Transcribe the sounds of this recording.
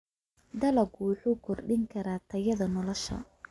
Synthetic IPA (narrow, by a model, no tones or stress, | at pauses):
d̪ɐlɐɡwʊħuːkʰɔrɖɪŋkʰɐɾaːt̪ʰɐjɐðɐnɔlɔʃɐ̰